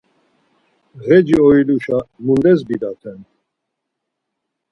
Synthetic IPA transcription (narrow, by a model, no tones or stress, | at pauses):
ɣɛd͡ʒiɔiluʃamund̪ɛzbid̪at̪ʰɛn